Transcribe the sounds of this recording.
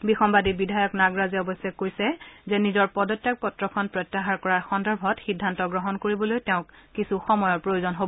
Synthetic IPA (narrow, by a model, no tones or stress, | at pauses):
bixɔmbadibidʱajɔknaɡɹazɛɔbɔsɛkojsɛzɛnizɔɹpɔdɔtjak̚pɔtɹɔkʰɔnpɹɔtːaɦaɹkɔɹaɹxɔndɔɹbʱɔtxidʱːantɔɡɹɔɦɔnkoɹibɔlojtɛʊ̃kːisuxɔmɔjɔɹpɹojozɔnɦobɔ